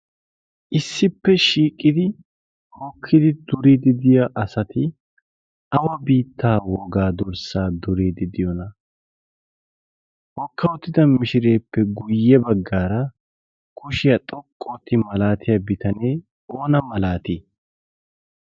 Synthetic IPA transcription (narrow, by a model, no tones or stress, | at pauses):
ʔɪsːɪpːɛʃiːkʼːɪd̪ɪ | hɔkʰːɪd̪ɪd̪ʊɾid̪ɪd̪ɪjaʔɐsɐt̪ɪ | ɐwɐbiːt̪ʰːaːwɔɡaːd̪ʊɾsaːd̪ʊɾeːd̪ɪd̪ɪjɔnɐ | hɔkʰːɐwɔt̪ːɪd̪ɐmɪʃɪɾe̞ːpːɛɡʊjːɛbɐɡːaːɾɐ | kʰʊʃɪjɐt̪ʼɔkʼːoːt̪ːɪmɐlaːt̪ʰɪjabɪt̪ɐne̞ː | o̞ːnɐmɐlaːt̪i